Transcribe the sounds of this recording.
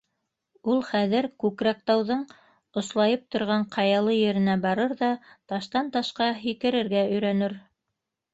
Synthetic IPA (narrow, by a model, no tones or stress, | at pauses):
ulˠχæðɘɾkʉkɾæk̚t̪ɑwðɤɴ | ŏslˠɑjɤp̚t̪ŏɾʁɑɴqʰɑjɑlˠɤjɘ̆ɾɘ̆næbɑɾɤɾðɑt̪ɑʃt̪ɑnt̪ɑʃqɑɦikɘ̆ɾɘ̆ɾɡæɵ̆jɾænɘɾ